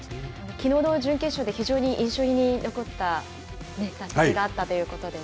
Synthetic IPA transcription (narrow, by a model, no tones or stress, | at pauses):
anokʲino̞ːd̪o̞ːd͡ʑɨ̃ŋkẽ̞ɕo̞ːd̪e̞çiʑo̞ːɲ̟iʔĩɰ̃ɕo̞ːiɲ̟ino̞ko̞t̪ːa | ne̞d̪aiɡaːt̪ːat̪o̞jɯ̟ːko̞t̪o̞d̪e̞